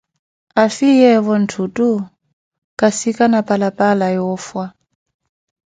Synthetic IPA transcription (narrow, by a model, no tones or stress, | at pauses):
afijɛβɔn̩tʰutu | kasikanapʼalapʼalajɔfwa